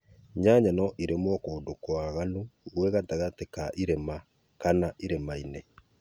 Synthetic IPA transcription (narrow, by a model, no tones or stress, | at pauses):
ɲaɲanɔʔiɾemwɔkoːdokoaɣanuɣwɛɣataɣatekaʔiɾema | kanaʔiɾemaine